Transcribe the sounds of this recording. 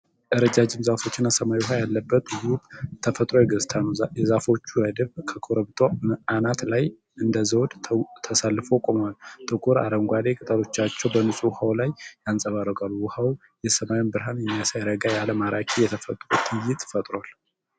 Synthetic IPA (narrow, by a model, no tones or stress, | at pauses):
ʔɨɾəd͡ʒad͡ʒɪmzafo̞t͡ʃːɪnasəmajwuɦajalːəbːət̪ɨwubt̪ʰəfət̪ʼɾo̞jɛɡɨzt̪ʰanjɛzafo̞t͡ʃːuɾəd̪ɨβkʰəkʰoɾəβt̪ʼoməʔanat̪laj | ɨnd̪əzəwd̪t̪ʰəsalːɨfo̞kʼo̞malt̪ʼɨkʼuɾa̰ɾəŋɡʷale̞kʼɨt̪ʼəɾo̞t͡ʃːat͡ʃːɛwbənɨsʼuwhawlajjansʼəβaɾəɡalːuwʊhaw | jɛsəmajwunbɨɾɦanjɛmːijasajaɾəɡajaləmaɾakʰʼijɛt̪ʰəfət̪ʼɾot̪ʰʼɨjɪt̪ʼfət̪ʼɾoal